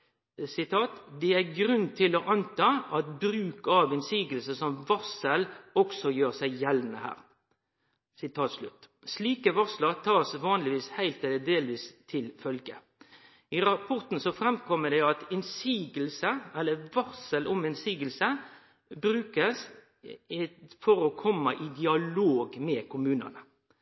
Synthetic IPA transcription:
sɪt̪ʰɑːt̪d̪ɛæɡɾʉnt̪ʰɪlɔʔɑnt̪ʰɑːʔɑt̪bɾʉːkɑʋɪnsiːɡəlsəsɔmʋɑsəlɔksɔjøːʁsæɪjɛlnəhæ̰ːɾ | sɪt̪ʰɑːt̪slʉt̪ːsliːkəʋɑsləʁt̪ʰɑːsʋɑːnlɪʋiːshæɪlt̪ɛləd̪eːlʋiːst̪ʰɪlfœlɡə̰ | ɪɾɑpʰɔʁt̪n̩sɔfɾɛmkʰɔmːəɖ̪ɛɑt̪ɪnsiːɡəlsəɛlːəʋɑsəlʔʊmɪnsiːɡəlsə | bɾʉːkəs | fɔɾɔkʰɔmːɑʔɪd̪ɪɑloːɡmɛːkʰʊmʉːnɑ̰nə

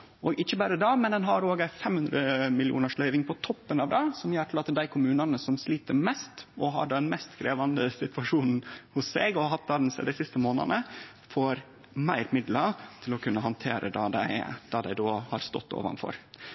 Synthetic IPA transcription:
ɔɡɪçːəbɑːɾəd̪ɑːmɛnd̪ɛnɦɑɾoːɡəɪfɛmhʉnd̪ɾəmɪlɪṵːnəʂlœʏʋɪŋpʰɔt̪ʰɔpːənɑʋd̪ɑsɔmjøːʈʰɪlɑt̪d̪æɪkʰʊmʉːnɑnəsɔmsliːt̪əɾmɛst̪ɔɦɑ̰ɖd̪ɛnmɛst̪kʰɾeːʋɑnd̪əsɪt̪ʋɑʂuːnn̩hʊsːeːɡɔɑhɑt̪̚d̪ɑd̪ɛnsɛ̰d̪æɪsɪst̪əmoːnə̰nə | foːɾ | mæɪɾmɪd̪lət̪ʰɪlɔkʰʉnːəɦɑnt̪ʰḛːɾʔə̰d̪ɑːd̪æ̰ɪd̪̥ɑːd̪æɪd̪oːhɑɾst̪ɔ̰t̪ːo̰ːʋɑ̰nfɔ̰ɾ

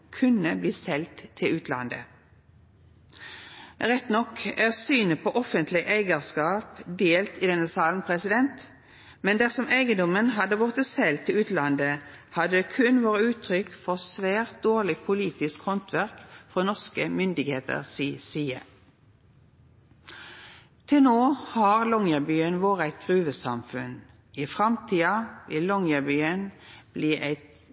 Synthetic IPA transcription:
kʰʉnəbliːsɛlt̪ʰːɪlʉːt̪lɑ̰nd̪ə̰ | ʁɛt̪nɔkæːʁsyːnəpʰɔʔɔfənt̪ʰlɪʔæɪɡəʁskɑːpd̪eːlt̪ɪd̪ɛnəsɑːlnpʰʁɛsɪd̪ɛnt̪ | mɛnd̪æʁsɔmæɪɡənd̪ɔmənɦɑd̪əʋʊʁt̪əsɛlt̪ʰːɪlʉːt̪lɑnd̪ə | hɑd̪əd̪eːkʰʉnʋoːʁəʉːt̪ʰʁʏkfɔʁsʋæːʁt̪̚d̪oːʁlɪpʰʊliːt̪ɪskhɔnt̪ʰʋæʁkfʁɔnɔʁskəmʏnd̪ɪɡheːt̪ə̰ʁsiːsiːə̰ | t̪ʰɪlnoːhɑʁlɔŋjəbyːənʋoːʁəæɪt̪̚ɡʁʉːʋəsɑmfʉ̰n | ɪfʁɑmt̪ʰiːɑʋɪlːɔŋjəbyːənb̥liːʔæɪt̪

